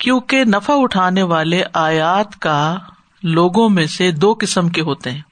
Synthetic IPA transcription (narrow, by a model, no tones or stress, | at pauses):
kjõːkenɐfaʊʈʰaːneʋaːleʔaːjaːt̪ka | loːɡõmẽsed̪oːkɪsəmkeɦoːt̪eɦɛ̃ː